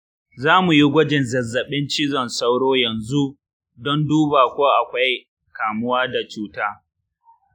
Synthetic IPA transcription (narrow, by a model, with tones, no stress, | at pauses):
zaː˦mu˨ji˦ɡʷɐ˦d͡ʒɪ˨nzɐ˨zːɐ˨ɓɪ˦nt͡ʃɪ˦zɔ˨nsa˦wɽoː˦jɐ˨nzu˦ʔ | dɔ˦nduː˦baː˨kʷoː˦ʔa˨kʷa˦j | kaː˨mʊ˦waː˦da˨t͡ʃuː˦taː˦